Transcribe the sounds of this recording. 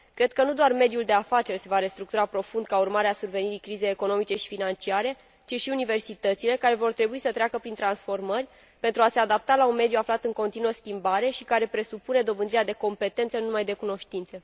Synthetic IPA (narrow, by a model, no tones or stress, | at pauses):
kɾe̞d̪̚kənud̪oarme̞d̪juld̪eafat͡ʃe̞rʲse̞vaɾe̞st̪ɾuk̚t̪uɾapɾo̞fund̪̚kaurmaɾeasurve̞niɾikɾizejeko̞no̞mit͡ʃe̞ʃi̥finant͡ʃiaɾe̞ | t͡ʃiʃiunive̞rsit̪ət̪sile̞kaɾe̞vo̞rt̪ɾe̞buisət̪ɾeakəpɾint̪ɾansfo̞rmərʲ | pe̞nt̪ɾuase̞ad̪apt̪alaunme̞d̪juaflat̪ɨŋko̞nt̪inuəskʲimbaɾe̞ʃikaɾe̞pɾe̞supune̞d̪o̞bɨnd̪ɾiead̪e̞ko̞mpe̞t̪e̞nt̪sənunumajd̪e̞kuno̞ʃt̪int̪se